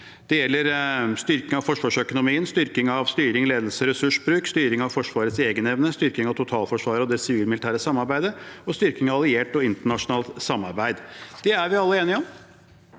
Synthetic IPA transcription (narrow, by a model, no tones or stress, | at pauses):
d̪̥ɛjɛlːəɾst̪ʏɾkɪŋɑʋfɔʂʋɑːʂœkʊnʊmiːənst̪ʏɾkɪŋɑʋst̪yːɾɪŋleːd̪əlsəɾɛsʉʂbɾʉːkst̪yːɾɪŋɑʋfɔʂʋɑːɾət̪seːɡənɛʋnəst̪ʏɾkɪŋɑʋt̪ʰʊt̪ʰɑːlfɔʂʋɑːɾəɔd̪ɛsɪʋiːlmɪlɪt̪ʰæːɾəsɑmːɑɾbæɪd̪əɔst̪ʏɾkɪŋɑʋɑlɪeːʈɔɪnt̪əɳɑʂʊnɑːlt̪sɑmːɑ̰ɾbæɪd̪d̪̥ɛæɾʋɪɑlːəeːnɪɔm